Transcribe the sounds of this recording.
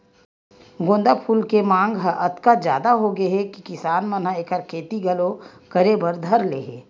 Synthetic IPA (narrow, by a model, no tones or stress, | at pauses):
ɡõːnd̪apʰuːlkemãːŋɡɦəʔɐt̪kad͡ʒjaːd̪aɦoɡɐɦɛkikɪsaːnmɐn̤aeːkəɾkʰeːt̪iɡɐlokɐɾebɐɾd̪ʱɐɾlḛːɦeː